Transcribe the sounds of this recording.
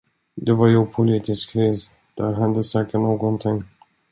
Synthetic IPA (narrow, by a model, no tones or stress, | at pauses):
d̪ɛvaɾjɔɡpʰʊliːt̪ɪskɾiːs | d̪̥æɾɦad̪əsɛːkːəʈɳoːɡɔnt̪ʰɪŋː